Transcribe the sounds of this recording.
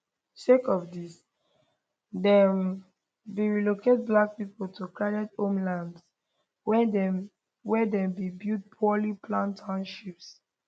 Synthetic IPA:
ʃekɔfdis | dɛm | biɹiloket̚blak̚pipoltʰukɹaɾɛtõmlãnds | wɛdɛ̃mbibid̚pʰɔlipʰlãntʰãnʃips

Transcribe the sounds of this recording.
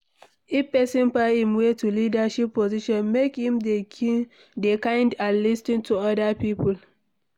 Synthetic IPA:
ʔipɛsɪ̃npahĩmwetʰulidaʃipːoziʃɔ̃nmekhĩmde | dekãɪndanlistɪ̃ntʰuɔdapiːpʊl

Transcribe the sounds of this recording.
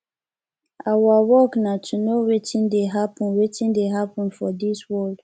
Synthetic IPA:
awawɔknatʰunowetĩndeɦapɔ̃nwetĩndeɦapɔ̃nfɔdiswɔld̥

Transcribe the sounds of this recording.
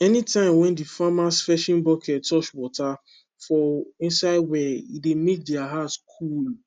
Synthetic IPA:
ɛnitʰãɪ̃mwɛ̃ndifamasfɛʃĩnbɔkʰɛttɔʃwɔtʰa | fɔĩnsaɪd̚wɛidemet̚dɛaɦatskʰul

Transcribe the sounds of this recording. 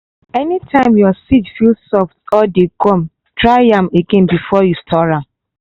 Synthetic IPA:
ɛnitʰãɪ̃mjɔsid͡ʒfilsɔftɔdekɔ̃m | tʰɹaɪãmeɡɛ̃nbifɔjustʰɔɹãm

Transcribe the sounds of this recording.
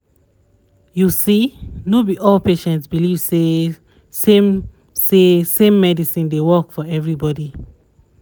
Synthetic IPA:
jusinobiʔɔlpeʃɛ̃ntsbilivse | sem | sesẽmːɛdisĩndewɜkfɔɛvɹibɔdi

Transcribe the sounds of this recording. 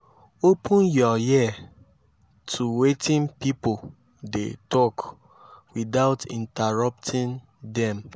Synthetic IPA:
opʰũnjɔjia | tʰuwetʰĩnpipo | dḛtɔk | widaʊtḭ̃ntaɹap̚tʰĩn | dɛ̃m

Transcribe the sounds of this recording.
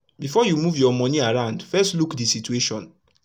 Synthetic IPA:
bifɔjumuvjɔmɔ̃niaɹãʊ̃ndfɛstlukdisitueʃɔ̃n

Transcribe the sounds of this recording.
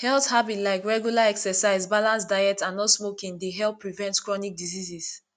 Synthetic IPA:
hɛlˠθhabitlaɪkɹɛɡjulaɛksɛsaɪzbalãnsdajɛtãnːɔtsmokĩŋdeɦɛlpːɹivɛ̃ntkɹɔnik̚dizizis

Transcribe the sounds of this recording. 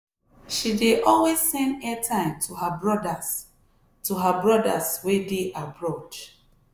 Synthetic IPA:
ʃideʔɔlwezːɛ̃ndɛtʰãɪ̃mtʰuɦabɹɔdas | tuɦabɹɔda̰swedeʔabɹot͡ʃ

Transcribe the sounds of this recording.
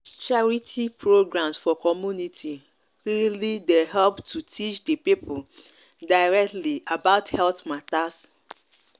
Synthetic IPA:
t͡ʃaɹitʰipɹoɡɹãmsfɔkɔmjunitʰi | ɹilideɦɛlptʰutʰit͡ʃdepipʰʊ | daɪɹɛk̚tliabaʊthɛltmatas

